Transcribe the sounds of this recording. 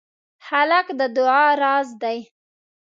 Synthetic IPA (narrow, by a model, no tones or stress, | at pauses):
halakd̪əd̪ʊɑɾɑzd̪aj